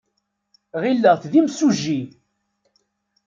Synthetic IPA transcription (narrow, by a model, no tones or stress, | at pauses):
ʁilːəʁθðimsuʒːi